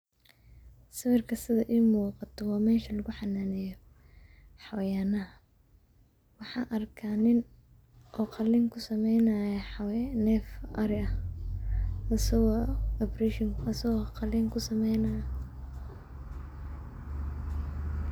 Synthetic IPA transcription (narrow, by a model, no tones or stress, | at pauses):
sɐwɪrkʰɐsɪðɐʔiːmuːqɑt̪ʰɔwɑːmɛːʃɐlɐɣʊħɑnaːnɛjɔ | ħɑwɐjaːnɐɦɐ | wɑħɑːʔɐrkʰaːnɪn | ʔɔːqɑlɪŋkʰʊsɐmɛjnɐjɐħɑwnɛːfʔɐɾɪɐ | ɐsɐɣɔːɔprɛʃɔŋkɐsɐɣɔːqɑlɪŋkʰʊsɐmɛjnɐjɐ